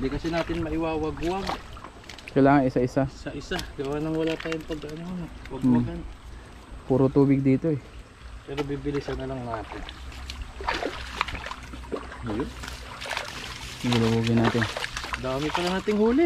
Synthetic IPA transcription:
d̪ikɐsɛnaːt̪ɪnmɐʔɪwaːwɐɡwaɡ | kɐjlaːŋɐŋɪsaʔɪsasɐʔɪsaɡɐwaːnɐŋwɐlaːt̪aːjoŋpɐɡɐʔɐnonwɐɡmwaɡan | puːɾot̪uːbɪɡ̚d̪iːt̪o̞ɛ | pɛːɾobibɪlɪsɐnːɐlɐŋnaːt̪ɪn | ɐjon | ɡɪlowuːɡɪnaːt̪ɪnd̪aːmɪpɐlɐnaːt̪ɪŋhuːlɪ

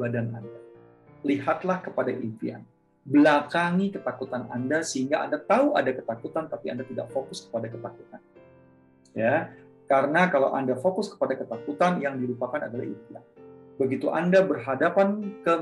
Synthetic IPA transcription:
badana̰nda | liɦat̪lahkəpadaʔifḭa̰n | bəlakaŋikət̪akut̪anandasəhiŋɡaʔa̰ndat̪auadakət̪akut̪ant̪apia̰ndat̪ida̰ʔfokʊskə̥padakət̪aku̥t̪an | ja | kaɾənakala̰wʔa̰ndafokʊskə̥padakət̪akut̪anjaŋdiɾupakana̰dala̰hḭfia̰nbəɡit̪uʔa̰ndabərɦadapankə

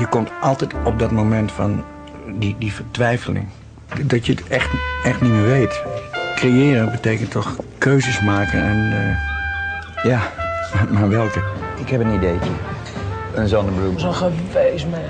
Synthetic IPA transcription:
jəkɔmtʔɑlˠtɛjtɔp̚dɔtmomɛntfɔn | didifərtʋɛjfəlɪ̰ŋ | dɔtjətɛxtɛxtniməʋeːtkrejɪːɾənbətekəntʰɔxkʰøːzəsmaːkə̰nan | jamamaʋɛlˠkəɪkhɛpənideːtə | ənzɔndəbluzoxəʋejsmɛ

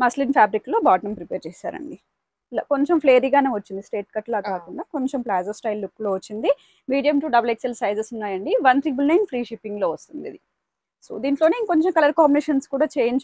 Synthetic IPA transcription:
mɐslinpʰjaːbɾiklo̞ːbaːʈɐmpɾipɛːɾt͡ʃɛːsa̰ːɾɐ̰ɳɖi | la̰ːko̞ɲt͡ʃempʰleːɾiːɡaːneːʋɐt͡ʃːind̪isʈeːʈ̚kɐʈlaːkaːkuɳɖaːko̞ɲt͡ʃemplaːzosʈɐjlːukːloːʋɐt͡ʃːind̪i | miːɖijɐmʈuɖɐbɐlekselsɐjzesunːaːjɐɳɖiʋɐnt̪ɾiːbulnɐjnfɾiːʂipːiŋɡlo̞ːʋɐst̪und̪ḭd̪i | so̰ːd̪iːɳʈlo̞ːneko̞ɲt͡ʃemkɐlɐɾkaːmbineːʃɐnskuːɽaːt͡ʃeːjɲt͡ʃ

